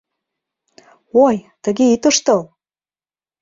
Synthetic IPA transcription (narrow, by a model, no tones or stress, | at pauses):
ojt̪ə̆ɣeit̪əʃt̪ɤ̆l